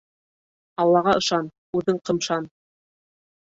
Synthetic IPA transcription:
ɑlˠːɑʁɑʔɤ̆ʃɑn | ʉðɘɴqɤ̆mʃɑn

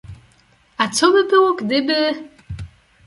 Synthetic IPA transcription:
at͡sʰobɨbɨwokʼd̪ɨbɨ

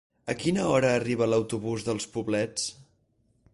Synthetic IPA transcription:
əkinəɔɾəːriβ̞ələwt̪uβuzðəlˠspuβlɛt͡s

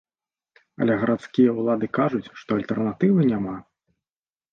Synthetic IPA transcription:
ɐ̰lʲɛɣɐɾʔat̪skʲijɐulˠad̪ɨkaʐut͡sʲʂt̪ɔɐlʲt̪ɛrnat̪ɨvɨnʲama

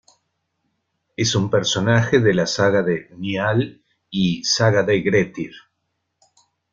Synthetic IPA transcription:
esumpeɾso̞naxeðelasaɣaðenial | isaɣaðeɣɾet̪iɾ

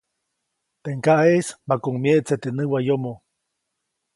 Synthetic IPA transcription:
t̪eŋkaʔesmakuŋmjeʔt͡set̪eʔnɨwajomo

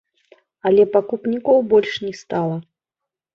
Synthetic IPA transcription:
ɐlʲɛpakupnʲikɔwbɔlʲʂnʲɛst̪alˠɐ

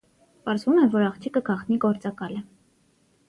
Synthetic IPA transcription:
pɑɾzvumɛvɔɾɑχt͡ʃ̪ʰikəkʰɑχt̪niɡɔɾt͡sɑkɑlə

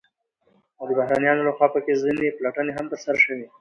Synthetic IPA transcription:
ad̪əbahɾanijɑnolaxwɑːpəkezineplaʈəneɦamt̪əɾsaɾʃəwi

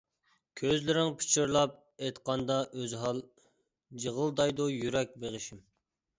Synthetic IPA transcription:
kʲʰøzlɪɾɪŋpʰi̥t͡ʃʰuɾlˠɑp̚ | et̪qɑnd̪ɑʔøzɦɑlˠ | d͡ʒəʁəlˠd̪ɑjd̪ujyɾɛk̚ʲbeʁɨʃim

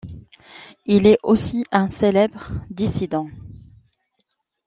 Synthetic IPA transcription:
ilɛʔosiʔɛ̃selɛbʁd̪isid̪ɑ̃

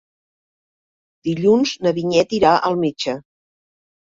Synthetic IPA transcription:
d̪̥iʎunznəβiɲɛt̪iɾaʔəlˠmed͡ʒə

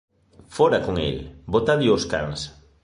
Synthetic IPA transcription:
foɾakoŋḛlbot̪aβioska̰ŋs

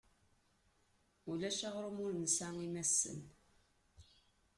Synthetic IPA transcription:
ulæʃaʁɾumʊɾnsæmimæsːə̰n

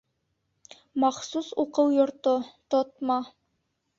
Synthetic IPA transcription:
mɑχsusuqɤwjŏɾt̪ot̪ot̪̚mɑ

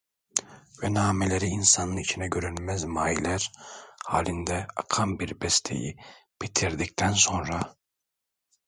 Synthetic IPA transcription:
vɛnaːmelʲe̞ɾiːnsanɯnit͡ʃʰinɛɟø̞ɾynmɛzmaːilʲæɾha̰ːlʲind̪ɛa̰kʰambiɾbɛst̪ʰḛjḭpit̪ʰiɾd̪ict̪ʰænso̞nɾa

